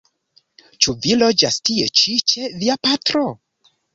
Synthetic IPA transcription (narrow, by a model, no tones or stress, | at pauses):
t͡ʃuvilo̞d͡ʒastie̞t͡ʃit͡ʃe̞viapatɾo